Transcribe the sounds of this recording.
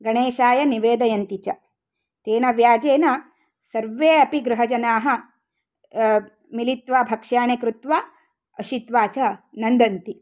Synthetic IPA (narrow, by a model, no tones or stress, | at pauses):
ɡɐɳeːʃaːjɐniʋeːd̪ɐjɐnt̪it͡ʃɐ | t̪eːnɐʋjaːd͡ʒeːnɐ | sɐɾʋeːɐpiɡɾɐɦɐd͡ʒɐnaːɦɐ̆ | milit̪ʋaːbʱɐkʂjaːɳekɾut̪ʋaː | ɐʃit̪ʋaːt͡ʃɐnɐnd̪ɐnt̪i